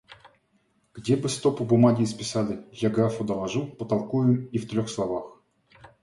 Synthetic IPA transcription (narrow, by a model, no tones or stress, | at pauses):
ɡ̥dʲebɨst̪opʊbʊmaɡʲɪspʲɪ̥salʲɪjaɡɾafʊd̪əlˠaʐupət̪alˠkujɪmift̪ɾʲoxslˠavax